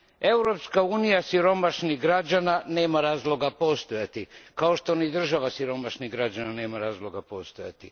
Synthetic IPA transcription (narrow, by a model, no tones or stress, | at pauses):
e̞wɾopskauːnijasiɾomaʃniɦɡɾad͡ʑanane̞ːmaɾaːzlˠo̞ɡapo̞st̪ojat̪ikaoʃt̪o̞nid̪r̩ʒaʋasiɾo̞maʃniɣɡɾad͡ʑanane̞ːmaɾaːzlˠo̞ɡapost̪oja̰t̪i